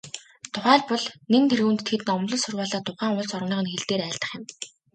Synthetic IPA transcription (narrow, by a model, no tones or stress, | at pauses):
t̪ʰʊχæːɮpɔɮneŋt̪ʰerɣuːnt̪ʰt̪ʰet̪ɘ̆nɔmɮɞ̆ɮsʊrwaːɮaːt̪ʰʊχæːŋʊɮt͡sɔrmniːʁə̆nxeɮt̪eːɾæːɮt̪ə̆χjɪ̆m